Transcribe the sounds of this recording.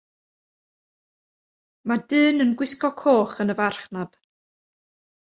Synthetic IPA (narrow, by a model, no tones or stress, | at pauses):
madɨːnənɡwɪskɔkʰoːχənəvarχnad̥